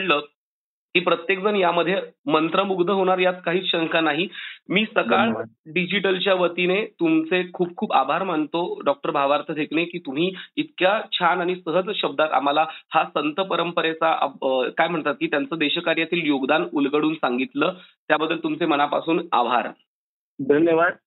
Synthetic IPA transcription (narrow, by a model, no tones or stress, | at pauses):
ɽlə | t̪iːpɾət̪jekd͡zənjaməd̪ʱːjemənt̪ɾəmuɡd̪ʱəɦoɽ̃aɾjat͡skaɦiːt͡sɕəŋkanaɦimiːsəkaɭɖid͡ʑiʈəlt͡ɕjaʋət̪inet̪umt͡sekʰuːb̚kʰuːba̰bʱaɾmant̪oɖɔk̚ʈəɾbʱaʋaɾt̪ʰəd̪ʱekɳekiːt̪um̤iːit̪kjat͡ɕʰanaɽ̃isəɦəd͡zɕəb̚d̪at̪a̰m̤alahasənt̪əpəɾəmpəɾet͡sakajm̤əɳt̪at̪̚kiːt̪jant͡səːd̪eɕəkaɾjat̪iːljoɡd̪anulɡəɽuːnsaŋɡit̪ləːt̪jabəd̪ʱːəlt̪umt͡seməɽ̃apa̰suːna̰ʋʱa̰ɾ | d̪ʱənjəʋad̪